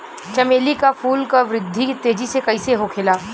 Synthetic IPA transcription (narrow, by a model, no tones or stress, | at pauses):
t͡ʃɐmeːlikafuːlkaʋɾɪd̪ʱːit̪eːd͡ʒisekɐiseɦokʰelaː